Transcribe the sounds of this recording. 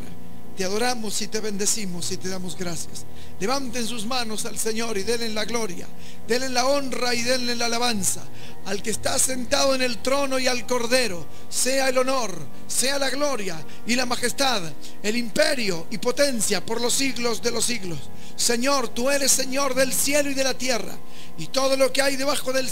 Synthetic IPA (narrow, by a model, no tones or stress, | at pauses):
a̰ | t̪eaðo̞ɾamo̞sit̪eβe̞nd̪e̞simo̞sit̪eðamo̞zɣɾasja̰s | leβant̪ensuzmano̞salse̞ɲo̞ɾiðelenlaɣlo̞ɾja̰ | d̪elenlao̞nraiðenlenlaːlaβansa̰ | alkeːst̪ase̞nt̪aðoene̞lt̪ɾo̞no̞ialko̞ɾðe̞ɾo̞ | se̞aelo̞no̞ɾ | se̞alaɣlo̞ɾja | ilamaxe̞st̪að | elimpe̞ɾjo̞ipo̞t̪e̞nsjapo̞ɾlo̞siɣlo̞zðe̞lo̞siɣlo̞sː | e̞ɲo̞ɾt̪ue̞ɾe̞sːe̞ɲo̞ɾðe̞lsje̞loiðe̞lat̪je̞ra̰ | it̪o̞ð̞o̞lo̞keajðe̞β̞axo̞ðe̞l